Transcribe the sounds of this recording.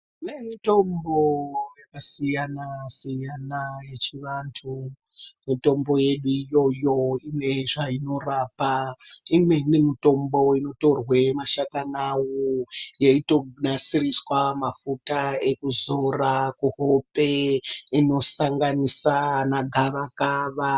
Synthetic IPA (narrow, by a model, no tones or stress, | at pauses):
ne̞mito̞mbowekasijanasijanaje̞t͡ʃiʋantʰu | mito̞mbo̞je̞ɗuijo̞jo̞imwe̞ʐaino̞raːpaimwenemito̞mbo̞ino̞to̞rwe̞maʃakanawojeitonasiriswamafutaekuzorakuɦope̞ino̞saŋɡanisanaɡʱaʋakaʋa